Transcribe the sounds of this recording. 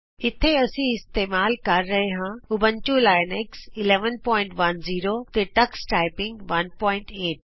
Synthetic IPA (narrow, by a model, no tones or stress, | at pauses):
ɪt̪ʰeɐsĩɪst̪eːmaːlkɐɾːɐɦeɦãʊbʱənt͡ɕũlaːɪnɛksɪleːʋənpɔːɪ̃ɳʈʋɐnziːɾot̪eʈɐksʈaːɪpɪ̃ŋɡʋɐnpɔːɪ̃ɳʈeːʈ̚